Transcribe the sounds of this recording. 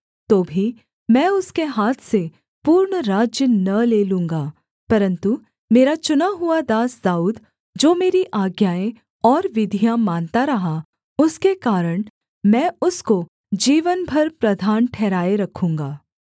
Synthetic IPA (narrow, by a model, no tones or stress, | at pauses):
t̪oːbʱi | mɛ̃ːʊskeɦaːt̪ʰse | puːɾɳɾaːd͡ʒjənɐleːlũːŋɡaː | pɐɾə̃nt̪u | meːɾat͡ʃʊnaɦuad̪aːsd̪aːuːd̪ | d͡ʒoːmeːɾiʔaːɡjaːẽ | ɔːɾʋɪd̪ʱijamaːnt̪aɾɐɦa | ʊskekaːɾəɽ̃ | mɛ̃ːʊsko | d͡ʒiːʋənbʱɐɾpɾɐd̪ʱaːnʈʰɛːɾaːeɾɐkʰũːŋɡaː